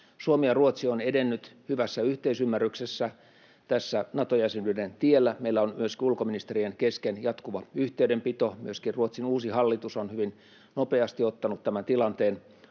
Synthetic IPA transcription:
suomijɑruot̪sionedenːyt̪hyʋæsːæyht̪eisymːærːyksesːæ | t̪æsːænɑt̪ojæsenydent̪ielːæmeilːæonmyøskiulkominist̪erienkeskenjɑt̪kuʋɑyht̪eydempit̪omyøskirruot̪sinuːsihɑlːit̪usonhyʋin | nopeɑst̪iot̪ːɑnut̪t̪æmænt̪ilɑnt̪eːn

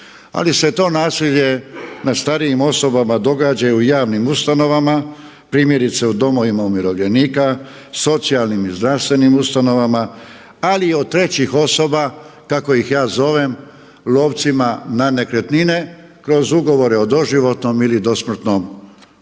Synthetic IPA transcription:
a̰lise̞t̪o̞ːnaːsiʎje̞nast̪aɾiimo̞so̞bamad̪o̞ɡaːd͡ʑajujaːʋnimust̪ano̞ʋama | pɾiːmje̞ɾit̪se̞ud̪o̞mo̞ʋimaumjiɾo̞ʋʎe̞niːka | so̞t̪sialˠnimizd̪ɾaʋst̪ʋe̞nimust̪ano̞ʋama | aliod̪̚t̪ɾe̞t͡ɕixo̞so̞bakako̞jixjaːzo̞ʋe̞m | lˠo̞ːʋt̪simanane̞kɾet̪nine̞ | kɾo̞zuɡo̞ʋo̞ɾeo̞d̪o̞ʒiʋo̞t̪no̞milid̪o̞smr̩t̪nom

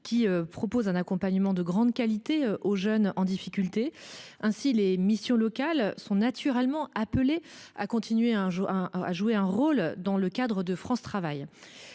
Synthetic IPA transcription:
kʲiøpχɔpozɛ̃nakɔ̃paɲəmɑ̃d̪əɡʁɑ̃d̪kalit̪eøoʒœnɑ̃d̪ifikʲylt̪eɛ̃silemisjɔ̃lɔkalsɔ̃nat̪ʰyʁɛlmɑ̃aplea̰kɔ̃t̪ʰinɥeʒa̰ʒueɛ̃ʁold̪ɑ̃ləkad̪ʁəd̪əfχɑ̃st̪χavaj

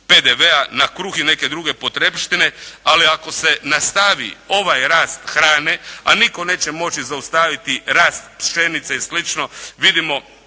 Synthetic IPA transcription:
ped̪eʋeanakɾuxine̞ke̞d̪ɾuɡe̞pot̪ɾepʃt̪ine̞aliako̞se̞nast̪aʋḭo̞ʋajɾaːst̪xɾaːnea̰niko̞ne̞ːt͡ɕemo̞t͡ʃizaust̪aʋit̪iɾaːst̪̚pʃenit̪seislit͡ʃno̞ʋid̪imo̞

